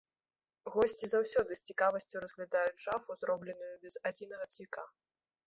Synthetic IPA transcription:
ɣɔsʲt͡sʲizawsʲɔd̪ɨsʲt͡sʲikavɐsʲt͡sʲuwɾɐzɣlʲad̪ajud͡zʲʐafuzɾɔblʲɛnujubʲɛzad͡zʲinɐɣɐt̪svʲika

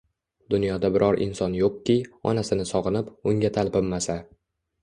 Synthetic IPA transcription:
d̪̥ʊnjɒd̪abɪɾʔɒɾʔɪ̰nsɒnjoq̚kʲɪɒ̰nasɪnɪsɒʁɨnɪpʊŋɡʲat̪ʰalpɪmːasa

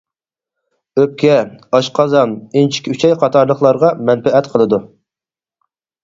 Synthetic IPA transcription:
øp̚kʲɛɑʃqʰɑzɑnint͡ʃʰi̥kʲyt͡ʃʰɛjqʰɑt̪ʰɑɾlˠəχlˠɑɾʁɑmɛnpɛɛt̪qʰəlˠɨd̪u

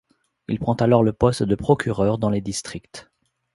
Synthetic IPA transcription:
ilpχɑ̃t̪alɔʁləpɔst̪d̪əpχɔkʲʰyʁœʁd̪ɑ̃led̪ist̪χikt̪

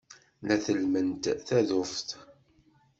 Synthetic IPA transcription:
læθəlmənt̪θæðʊfθ

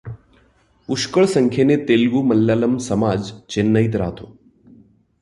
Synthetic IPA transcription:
uʃkəɭsəŋkʰjenet̪eːlɡuːməlːjaːləmsəmaːd͡ʑt͡ɕenːəit̪̬ɾa̰ːt̪oː

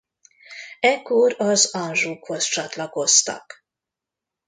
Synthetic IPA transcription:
ɛkːoɾɒzɒnʒuːkho̞st͡ʃɒt̪lɒko̞st̪ɒ̰k

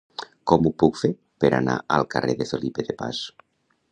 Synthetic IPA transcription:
kɔmupukfeɾ | peɾana̰alˠkarʔeðeθolipeðepa̰s

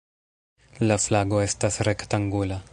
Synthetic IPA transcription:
laflaɡo̞est̪asɾekt̪aŋɡula

